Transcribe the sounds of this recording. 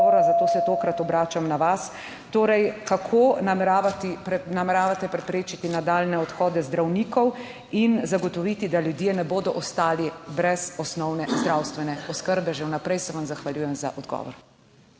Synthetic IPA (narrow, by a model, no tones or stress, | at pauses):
ɔɾazat̪oːsɛt̪oːkɾat̪ɔbɾaːt͡ʃamnaʋas | t̪oːɾɛjkakʰoːnamɛɾaːʋat̪inamɛɾaːʋat̪ɛpɾɛpɾeːt͡ʃit̪inad̪aːlnɛɔt̪xɔːd̪ɛzd̪ɾawniːkɔw | inzaɡɔt̪ɔʋiːt̪id̪aljud̪jenɛboːd̪ɔʔɔst̪aːlibɾɛzɔsnɔwnɛzd̪ɾawst̪ʋɛnɛɔskəɾbɛʒɛwnapɾɛjsɛʋamzaxʋaljuːjɛmza̰ʔɔd̪ɡɔ̰ːʋɔ̰ɾ